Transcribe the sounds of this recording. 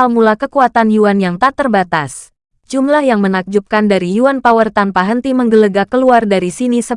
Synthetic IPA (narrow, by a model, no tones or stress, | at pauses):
almulakəkuat̪anjuanjaŋt̪at̪ərbat̪as | d͡ʒumlahjaŋmənak̚d͡ʒup̚kandaɾijuanpawərt̪anpaɦənt̪iməŋɡələɡakəluardaɾisinisə